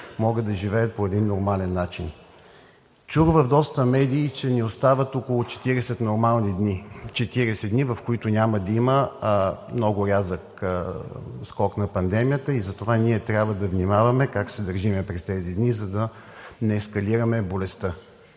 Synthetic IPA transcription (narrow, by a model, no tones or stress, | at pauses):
mɔɡəd̪ɐʒivɛət̪̚poɛd̪inːoɾmalɛnːat͡ʃin | t͡ʃuɡvɐvd̪ɔst̪əmɛd̪ʲiːt͡ʃɛniost̪avɐt̪okʊlˠʊt͡ʃɛ̥t̪iɾɛsɛt̪noɾmalˠnid̪nit͡ʃɛt̪iɾɛsɛd̪d̪nivɐfkoit̪ʊnʲaməd̪ɐimə | mnɔɡʊɾʲazək | skɔknɐpɐnd̪ɛmijət̪əizɐt̪ovaniɛt̪ɾʲabvəd̪ɐvnʲimavɐmɛkaksɛd̪ɐɾʒimɛpɾɛst̪ɛzid̪nizɐd̪ɐ | nɛːskɐliɾɐmɛbolɛst̪ə